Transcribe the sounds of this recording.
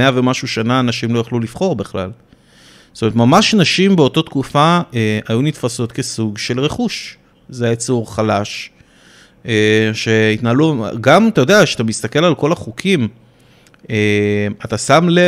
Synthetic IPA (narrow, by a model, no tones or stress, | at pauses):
eave̞maʃuʃanaːnaʃimlo̞jaχlulifχo̞ʁbeχla̰l | stomeetmamaʃnaʃimbe̞o̞tot̪kufaeajunit̪faso̞t̪ke̞suɡʃe̞lʁeχuʃ | zeet͡suʁχalaʃ | eʃe̞it̪naːluɡamat̪ajo̞d̪eaʃeat̪amist̪ake̞lalko̞laχukʰim | eat̪asamle